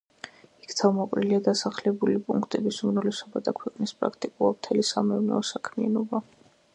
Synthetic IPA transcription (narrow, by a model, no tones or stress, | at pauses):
i̥kʰt̪ʰavmɔqʼɾiliad̪asaχlɛbulipʼṵŋkʰt̪ʼɛbisumnɔlɛsɔbad̪akʰwɛqʼnispʼɾa̰k̚ʰt̪ʼikʼulˠat̪ʰɛlisamɛunɛ̰ɔsakʰmia̰nɔba